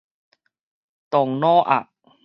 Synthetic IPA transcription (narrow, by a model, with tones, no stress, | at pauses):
t̪ɔ˨˩ŋnɔː˥˩ʔa̰˨˩ʔ